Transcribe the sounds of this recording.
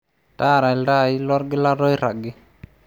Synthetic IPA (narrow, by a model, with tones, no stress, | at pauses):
ta˦˨ɾa˨ɪ˨lda˦˨ɪ˦lɔ˦ɾɡɪ˦la˦ɾɔ˦ɪ˦ɾa˨ɡɪ˦